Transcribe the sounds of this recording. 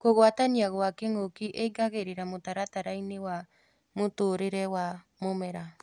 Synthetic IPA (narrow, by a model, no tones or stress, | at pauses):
koɣwataniaɣwakeŋokiʔeiɡaɣeɾeɾamotaɾataɾainewa | motoːɾeɾɛwa | momɛɾa